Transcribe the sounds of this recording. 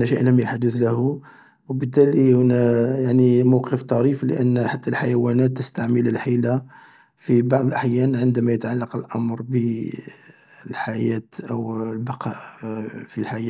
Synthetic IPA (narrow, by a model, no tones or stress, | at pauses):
næʃæʔləmjaħd̪əθlæhu | wbət̪ːælihʊnæjaʕnimawqəft̪ˤɑɾiflə̰ʔənːħat̪ːælħajæwænæt̪ːəst̪aʕmələlħila | fibɑʕd̪ˤlʔaħjænʕənd̪æmæjət̪ʕalːɑqəlʔɑmɾˤbə | lħajæt̪ʔəwlbɑqʰɑʔfilħajæ